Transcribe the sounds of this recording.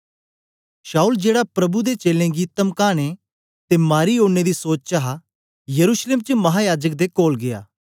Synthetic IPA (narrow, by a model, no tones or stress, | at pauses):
ʃaːuld͡ʒeːɽapɾɐbud̪et͡ʃeːlẽɡit̪ɐmkaːɽ̃e | t̪emaːɾioːɽned̪isoːt͡ʃt͡ʃaɦa | jɐɾuʃleːmt͡ʃəmɐɦajaːd͡ʒək̚d̪ekoːlɡɪja̰ː